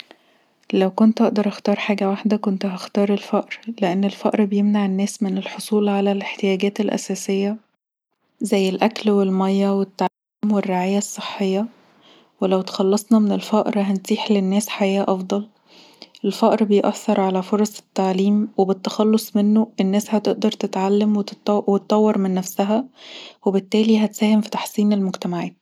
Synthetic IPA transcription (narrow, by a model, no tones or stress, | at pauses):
læwkont̪ʔɑʔd̪ɑɾˤʔɑxt̪ɑːɾˤħaːɡæwaħd̪ækont̪ɦæxt̪ɑːɾˤelfæʔɾleʔenːelfæʔɾbejemnaʕenːæːsmenelħosˤuːlʕalæleħt̪ejæːɡæːt̪elʔæ̰sæːsejːæ | zæjːelʔæklwelmɑjːæwet̪ːaʕliːmwerːeʕaːjæsˤːeħːejːɑ | welæwt̪ɑ̥xɑlːɑsˤnɑmenelfæʔɾɦænt̪iːħlenːæːsħajæːʔɑfd̪ˤɑl | ʔelfæʔɾbejʔæθːɑɾˤʕalæfoɾˤɑsˤe̥t̪ːaʕliːmwebet̪ːɑxɑlːosˤmenːoʔenːæːshæt̪eʔd̪ɑɾˤt̪et̪ʕalːæmwet̪wet̪t̪ˤːɑwːeɾˤmenːæfsæɦæwebet̪ːæːliɦæt̪sæːhemfi̥t̪ɑ̥ħsˤiːnelmoɡt̪æmaʕæːt̪̚